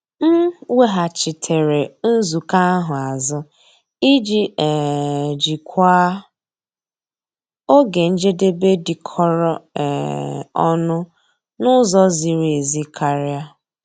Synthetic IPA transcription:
m̩˦we˦ɦa˨t͡ʃɪ˨tʰe˨ɾe˨n̩˦zu˨ka˦ɦʊ˨a˨zʊ˦ | i˦d͡ʒi˦ɛ˨d͡ʒi˨kʷaː˦ | o˦ɡe˨n̩˦d͡ʒe˦de˦be˦di˨kʰɔ˦ɾɔ˦ɛ̰˨ɔ˦nʊ˦ | nʊ˦zɔ˦zi˨ɾe˨zi˦kʰa˨ɾja˦

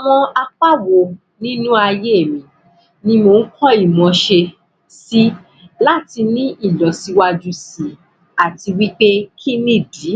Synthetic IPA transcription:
a˨w̃ɔ̃˧a˧k͡pa˦wo˨ | nĩ˦nũ˦a˧je˦e˦˨mĩ˨ | nĩ˧mo˧n̩˦kɔ˦i˦˨mɔ̃˧ʃe˧ | si˦ | la˦˨ti˧nĩ˦ʔi˦˨lɔ˨si˨˧wa˧d͡ʒu˧˦si˨ | a˨ti˧wi˦k͡pe˦kʰi˦nĩ˦˨di˨˦

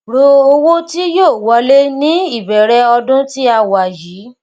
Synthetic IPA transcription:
ɾo˧o˧wo˦ti˦joː˦˨wɔ˨˧le˦nĩ˦i˦˨bɛ˨ɾɛ˧ɔ˧dʊ̃˦ti˦a˧wa˨jiː˨˦

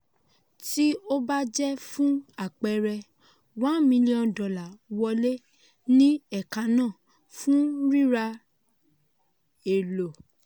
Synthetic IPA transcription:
ti˦o˦ba˦d͡ʒɛ˦fũ˦a˦˨k͡pɛ˧ɾɛ˧ | wã˦mĩ˧li˦ɔ̃˧dɔ˨la˨wɔ˧le˦ | nĩ˦ɛ˦˨ka˨˧nãː˦˨ | fũ˦ɾi˦ɾa˧ | e˨lo˨

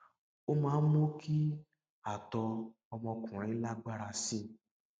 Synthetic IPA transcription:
o˦mãː˨˦n̩˦mo˦ki˦ | a˨tɔ˧ | ɔ˧mɔ̃˧kũ˨ɾ̃ĩ˨˧˦la˦ɡ͡ba˦ɾa˧sĩ˦

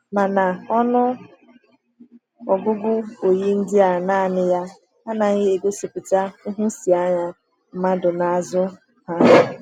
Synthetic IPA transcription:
ma˨na˨ɔ˦nʊ˦ | ɔ˨ɡʊ˦ɡʊ˦o˨ji˦n̩˦dɪ˦a˨naː˦a˨nɪ˦ja˦ | a˦na˨ɣɪ˦e˨ɡo˦si˨pʊ˨t͡ʃa˦ʊ˦ɦʊ˦si˨a˦ɲa˦ | m̩˦ma˦dʊ˨na˨a˨zʊ˦ | ha˦˨

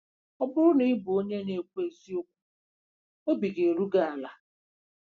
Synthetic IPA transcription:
ɔ˦bʊ˦ɾʊ˦ni˦bʊ˨o˦ɲe˦ne˨kʷu˦e˨zi˦o˦kʷu̥˦ | o˦bi˨ɡe˨ɾu˦ɡa˦˨a˨la˨

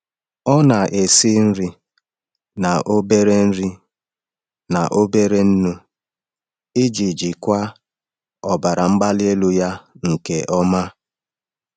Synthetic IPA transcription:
ɔ˦na˨ʔe˨si˦n̩˦ɾi˦ | na˨ʔo˦be˦ɾe˦n̩˦ɾi˦ | na˨ʔo˦be˦ɾe˦n̩˦nu˦ | i˦d͡ʒi˨d͡ʒi˨kʷa˦ | ɔ˨ba˨ɾa˨ŋ͡m̩˦ɡ͡ba˦lɪ˦e˦lu˦ja˦ŋ̩˨ke˨ʔɔ˦ma˦

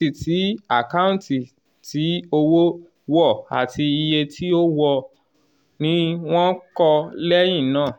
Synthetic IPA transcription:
i˨ti˨˦a˦˨ka˦ũ˦ti˨ | ti˨˦o˧wo˦ | wɔ˦˨a̰˨tʰi˧i˧je˧tʰi˦o˦wɔ˧ | nĩ˦w̃ɔ̃˦kɔ˧lɛ˦j̃ĩ˦˨nãː˦˨

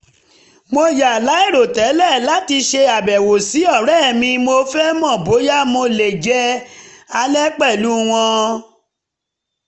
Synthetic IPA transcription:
mo˧ja˨la˨˦i˦˨ɾo˨tɛ˨˦lɛ˦˨la˨˦ti˧ʃe˧a˨bɛ˨wo˨si˨˦ɔ˦˨ɾɛ˦˨mĩ˧mo˧fɛ˦mɔ̃˦˨bo˨˦ja˦mo˧le˨d͡ʒɛ˦a˧lɛ˦k͡pɛ˦˨lu˨˦w̃ɔ̃˧

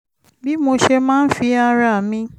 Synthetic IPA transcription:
bi˦mo˧ʃe˧mãː˦n̩˦fi˧˦a˧ɾa˨mĩ˧

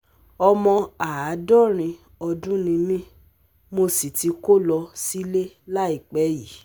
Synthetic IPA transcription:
ɔ˧mɔ̃˧a˨a˨˦dɔ˦˨ɾ̃ĩ˧ | ɔ˧dũ˦nĩ˧mĩ˦ | mo˧si˨ti˧ko˦lɔ˧si˦le˦ | la˦i˦˨k͡pɛ˨˦ji˨

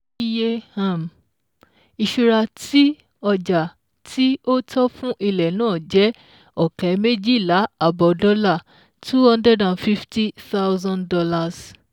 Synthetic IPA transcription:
i˦je˦a˦˨m | i˧ʃu˧ɾa˧tʰi˦ | ɔ˧d͡ʒa˨ | tʰi˦o˦tʰɔ˦fũ˦ʔi˧lɛ˨nãː˦˨d͡ʒɛ˨˦ | ɔ˦˨kɛ˨˦me˦d͡ʒi˦˨la˨˦a˦˨bɔ˨dɔ˦la˦˨ | tʰu˦hɔ̃˦ndɾɛ˦dã˨nfi˦fti˦θa˦wzã˦ndɔ˧la˧˨s

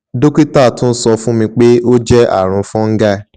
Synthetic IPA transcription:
do˦ki˦ta˦˨tũ˦n̩˦sɔ˧fũ˦mĩ˧k͡pe˦o˦d͡ʒɛ˦a̰˦˨ɾ̃ũ˨˦fɔ̃˦ŋ̩˦ɡa˧

